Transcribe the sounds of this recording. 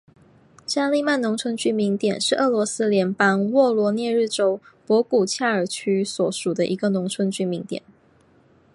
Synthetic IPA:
t͡ɕja˥˧li˥˧ma˥˩nʊ˧˥ŋt͡sʰwə˧˥nt͡ɕy˥˩mi˧˥ŋt̪jɛ˨˩nʂɻ̩˥˧ʔɤ˥˩lwɔ˧˥sɹ̩˥ljɛ˧˥npɑ˥ŋwɔ˥˩lwɔ˧˥njɛ˥˧ɻ̩˥˩ʈ͡ʂo˥ʊ | pwɔ˧˥ku˨˩t͡ɕʰja˥˩ə˞˨˩t͡ɕʰy˥swɔ˨˩ʂu˨˩d̪ə˦ʔi˧˥ɡə˧nʊ˧˥ŋt͡sʰwə˧˥nt͡ɕy˧˥mi˧˥ŋt̪jɛ̰˨˩˦n

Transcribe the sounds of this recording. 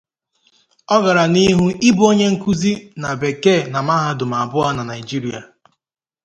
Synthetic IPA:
ɔ˦ɡa˨ɾa˨ni˦ɦu˦i˦bʊ˦o˦ɲe˦ŋ̩˦ku˦zi˦na˨be˨ke˦˨na˨ma˦ɦa˦dʊ˨ma˨a˨bʊ˦a˦na˨na˨ɪ˨d͡ʒi˦ɾi˨a̰˨

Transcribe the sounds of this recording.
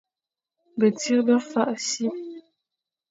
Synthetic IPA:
bə˨ti˦ɾbə˦fa˦˨ʔsi˦

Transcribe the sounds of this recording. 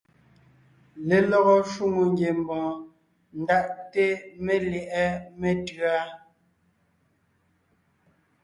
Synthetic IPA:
le˨lɔ˦ɣɔ˦ʃu˦˨ŋu˨ŋɡje˨m˨bɔ̃˨ | n̩˨da˦ʔte˦me˦ljɛ˨ʔɛ˦me˦tɰa˦

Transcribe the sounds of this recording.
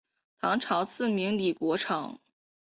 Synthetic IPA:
t̪ʰɑ˧˥ŋʈ͡ʂʰɑ˧˥ʊt͡sʰɹ̩˥˩mi˧˥ŋli˨˩kwɔ˧˥ʈ͡ʂʰɑ˨˩˦ŋ

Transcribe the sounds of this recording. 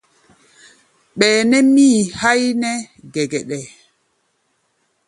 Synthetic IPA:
ɓɛː˨nɛ˦miː˦ha˦jnɛ˦ɡɛ˨ɡɛ˨ɗɛ˨

